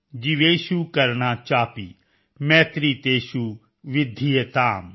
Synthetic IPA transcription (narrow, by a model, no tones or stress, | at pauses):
d͡ʒiʋeːʃukɐɾñat͡ʃaːpḭ | mɛ̃ːt̪ɾit̪eːʃu | ʋɪd̪ʱːijet̪aːm